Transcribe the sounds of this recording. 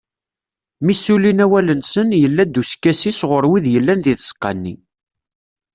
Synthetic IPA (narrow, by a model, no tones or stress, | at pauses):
misulinæwælənsənjəlːæd̪ːuskːæsisʁʊɾwiðjəlːænðiθsə̥qːɑnːi